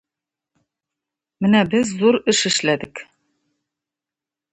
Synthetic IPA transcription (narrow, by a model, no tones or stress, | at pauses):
mɘnæbɘzːuɾɘʃɘ̆ʃlæd̪ɘk